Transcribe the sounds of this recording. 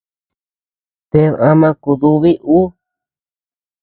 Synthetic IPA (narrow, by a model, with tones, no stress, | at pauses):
t̪e˧ða˧mã˧ku˧ðu˧βi˦ʔu˦